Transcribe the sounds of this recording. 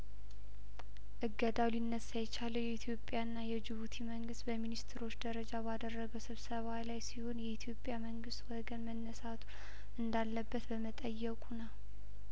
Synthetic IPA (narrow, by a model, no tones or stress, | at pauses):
ʔɨɡːəd̪awlinːəsajɛt͡ʃaləwjɛit̪ʰjo̞pʼjaɨnːajɛd͡ʒɨβut̪ʰiməŋɡɨst̪bəminist̪ʰɾo̞t͡ʃːd̪əɾəd͡ʒabad̪ərːəɡəwsɨβsəβajlajsiho̞njɛit̪ʰjo̞pʼːjaməŋɡɨst̪wɔɡənmənːəsat̪ʰu̥ | ʔɨnd̪alːəbːət̪bəmət̪ʼəjːɛkʼunəw